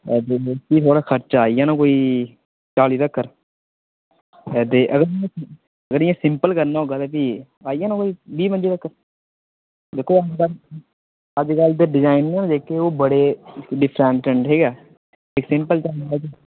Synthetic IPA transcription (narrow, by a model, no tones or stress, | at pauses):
t̪eːkiːt̪ʰoːɽaːkʰəɾt͡ʃaːijãːnãːkoːiː | t͡ʃaːliːt̪əkʰːəɾ | t̪eːʔəɡəɾãː | əɡəɾɪjãːsɪ̃mpəlkəɾnaːɦoːɡaːt̪eːpiː | aːijãːnãːkoːiːbiːmənd͡ʒeːt̪əkːəɾ | d̪eːkʰoːəd͡ʒkəl | əd͡ʒkəld̪eɖɪd͡ʒaːɪnːãːd̪eːkːeːoːbəɽeːɖɪpʰɾɛ̃ɳʈəɳʈɦiːɡaː | ɪksɪ̃mpəlt͡ʃaːnaːɛd͡ʒeː